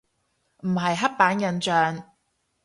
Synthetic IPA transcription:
m̩˨˩ɦɐ˨jɦɐ˥t̚paː˨˥njɐ˨˧nt͡ʃœː˨ŋ

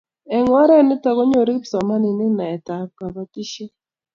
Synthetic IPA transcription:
ɛ˨ŋwa˦ɾɛ˦˨nɪ˦ta˨ɣɔ˦ɲo˨ɾi˦kpsa˨ma˦ni˨nɪ˦na˨ɛ˨ta˨˦ka˨βa˦ki˦ʃi˦

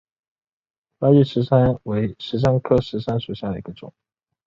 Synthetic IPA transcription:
la˥y˥˩ʂɻ̩˧˥ʂa˥nwe˧˥ɪʂɻ̩˧˥ʂ̬a˥nkʰɤ˥ʂɻ̩˧˥ʂa˥nʂu˨˩ɕja˥˩d̪ə˩i˧˥ɡə˧ʈ͡ʂʊ̰˨˩˦ŋ

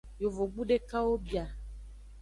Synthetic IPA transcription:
jo˨vo˨ɡ͡bu˦ɖe˦ka˦wo˦bi˨a˨

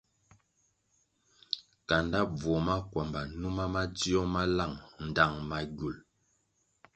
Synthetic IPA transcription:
ka˨nda˦b͡vɔ˨ma˦kwɔ˨mba˨nu˦ma˦ma˦d͡zi˦ɔ˦ma˦la˦˨ŋn̩˨da˦˨ŋma˨ɡu˨l

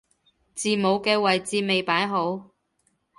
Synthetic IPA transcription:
t͡siː˨mo˨˧wkɛː˧wɐ˨jt͡siː˧me˨jpaː˨˥jɦo˨˥w

